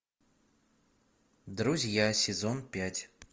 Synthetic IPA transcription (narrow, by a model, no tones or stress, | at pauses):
d̪ɾuzʲjasʲɪzonpʲætʲ